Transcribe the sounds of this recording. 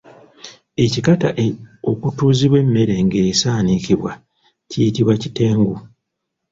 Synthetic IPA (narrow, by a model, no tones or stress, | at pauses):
e̞cikataʔo̞kutuːziβwe̞mːe̞ɾe̞ŋɡe̞saːnikiβwa | cijitiβwacite̞ːŋɡu